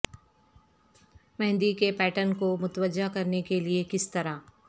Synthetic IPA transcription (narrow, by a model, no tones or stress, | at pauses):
mɛ̃ɦnd̪ikepɛːʈənkomʊt̪ʋəd͡ʒakɐɾnekeliekɪst̪ɐɾa